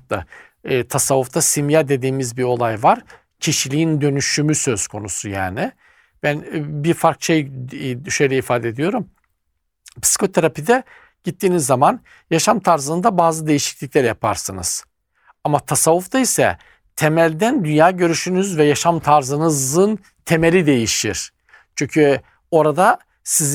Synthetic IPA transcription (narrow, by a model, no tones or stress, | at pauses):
a̰ | t̪ʰasavːuft̪ʰasimjad̪e̞d̪iːmizbio̞lˠajvaɾ̥ | cʰiʃilʲiind̪ø̞nyʃymysø̞z̥kʰo̞nusuja̰ːnɪ | b̥ænbiɾfaɾkʃejʃejlʲɛifaːd̪ɛed̪ijo̞ɾum | pʰi̥si̥kʰo̞t̪ʰeɾapid̪ɛ | ɟ̥it̪ːiːnizːaman | jaʃamt̪ʰaɾzɯnɯnd̪abaːzɯd̪e̞jiʃi̥clʲiclʲæɾjapʰa̰ɾsɯnɯ̰z̥ | amat̪ʰasavːuft̪ʰaisɛ̰ | t̪ʰe̞mælʲd̪ænd̪ynjaːɟø̞ɾyʃynyzvɛjaʃamt̪ʰaɾzɯnɯzɯn | t̪ʰe̞meɾʲid̪e̞jiʃiɾ̥ | t͡ʃʰyɲcʰy | o̞ɾad̪a | siz